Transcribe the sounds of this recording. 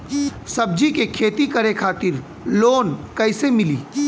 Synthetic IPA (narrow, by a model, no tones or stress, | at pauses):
səb̚d͡ʒikekʰeːt̪ikəɾekʰaːt̪ɪɾ | loːnkəɪsemɪliː